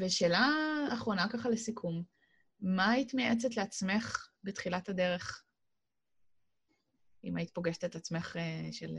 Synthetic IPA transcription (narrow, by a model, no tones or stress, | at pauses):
veʃe̞ːlaːχʁo̞nakaχalesikʰumː | ait̪meʔet͡setleat͡sme̞χbetχilatade̞ʁe̞χ | imait̪po̞ɡeʃet̪etat͡sme̞χeʃel